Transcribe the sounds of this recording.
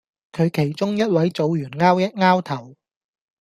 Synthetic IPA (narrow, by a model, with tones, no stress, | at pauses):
kʰɵ˨˧ɥkʰe˨˩jt͡sʊ˥ŋjɐ˥t̚wɐ˨˥jt͡so˨˧wjyː˨˩nŋaː˥wjɐ˥t̚ŋaː˥wt̪ʰɐ˨˩w